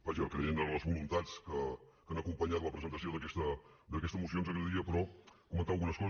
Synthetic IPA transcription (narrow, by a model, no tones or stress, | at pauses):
baʒəkɾeenələzβulunt̪at͡skə | kanəkumpəɲat̪ləpɾəzənt̪əsioðəkɛst̪ə | d̪əkɛst̪əmusionzəkɛʎd̪iəpɾɔkumənt̪alˠɣunəskɔ